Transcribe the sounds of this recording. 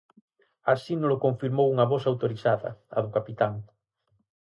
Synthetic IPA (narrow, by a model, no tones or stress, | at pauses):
asinolokoɱfiɾmowuŋɐβɔsawt̪oɾiθaðɐ̰ɐ̰ðʊkapit̪aŋ